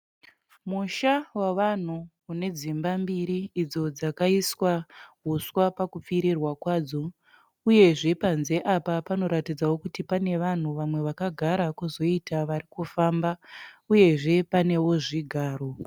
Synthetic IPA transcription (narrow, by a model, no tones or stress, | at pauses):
muʃawaʋan̤uː | ne̞d͡zimbambiɾiːd͡zo̞d͡zakaiswaɦuswapakup͡fiɾirwakwaːd͡zo̞ | uje̞ʐe̞panze̞ʔapapano̞ɾatid͡zawo̞kutipane̞ʋan̤uʋamwe̞ʋakaɡʱaɾakuzo̞itaʋarikufaːmbauje̞ʐe̞pane̞wo̞ʐiɡʱaːro̞